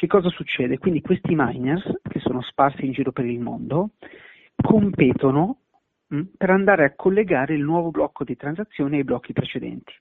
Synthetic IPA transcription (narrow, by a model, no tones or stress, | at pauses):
k̟ekːɔːzasut͡ʃːɛːd̪ekwind̪ikwest̪imajnersk̟esːoːnosparsiːnd͡ʒiːɾopeɾilmo̰nd̪o | kʰompeːt̪ono | peɾand̪aːɾeakʰːolːeɡaːɾeilnwɔːvoblɔkːod̪it̪ɾanzat̪sːjoːneajblɔkʰːipɾet͡ʃed̪ɛ̰nt̪i̥